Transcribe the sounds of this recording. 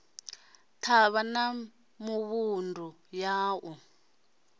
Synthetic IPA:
tʰaβana | muβundʱujaːʔu

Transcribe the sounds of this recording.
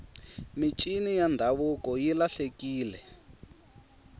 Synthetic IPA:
mit͡ʃʼinijandʱaβukɔjilaɬekiːlɛ

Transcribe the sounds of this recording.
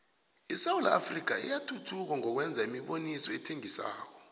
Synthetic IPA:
isawula̰ːfrik̬aḭjatʰutʰuk̬aŋɔk̬wɛnd͡zʱaimiɓonisɔɛtʰeŋisa̰ːk̬ɔ

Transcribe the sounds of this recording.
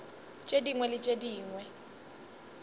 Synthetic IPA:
t͡ʃʼediŋwɛlɪt͡ʃʼediːŋwɛ

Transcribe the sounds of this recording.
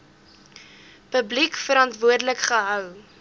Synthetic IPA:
pəblikfəɾɑntvuərdələkχəɦœw

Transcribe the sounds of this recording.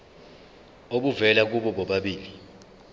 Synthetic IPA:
oɓuvɛlak̬uɓɔɓɔɓaɓiːli

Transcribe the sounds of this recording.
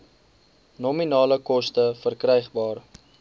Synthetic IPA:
nɔminɑːləkɔstəfərkrɛjχbɑːr

